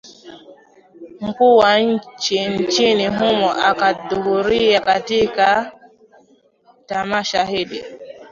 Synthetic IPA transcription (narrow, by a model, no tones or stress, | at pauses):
m̩kuːwaɲ̩t͡ʃin̩t͡ʃiniɦumɔʔakaɗuhuɾiakatika | tamaʃahiɗḭ